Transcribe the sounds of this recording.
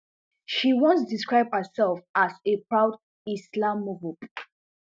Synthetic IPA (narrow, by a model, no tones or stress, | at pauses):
ʃiwɔ̃nsdiskɹaɪb̚həsɛlfasepʰɹaʊd | islãmːɔvob